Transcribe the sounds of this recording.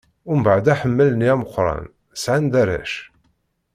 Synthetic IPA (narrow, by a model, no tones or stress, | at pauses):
ʊmbaʕd̪æħəmːəlniæməqːɾˤɑ̰n | sʕand̪æɾæ̰ʃ